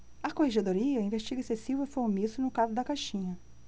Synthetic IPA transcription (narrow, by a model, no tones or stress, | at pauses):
ɐkoheʒed̪oɾiɐĩveʃt͡ʃiɡɐesesivʊɪfoɾmisʊnʊkabʊd̪ɐkaʃĩɲɐ